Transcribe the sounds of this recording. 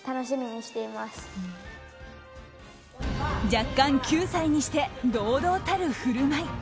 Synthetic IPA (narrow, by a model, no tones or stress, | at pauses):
t̪ano̞ɕimʲiɲ̟iɕi̥t̪e̞imasɨ̥ | d͡ʑakːãŋkʲɨːsaiɲ̟iɕi̥t̪e̞d̪o̞ːd̪o̞ːt̪aɾɯ̟hɯ̟ɾɯ̟mai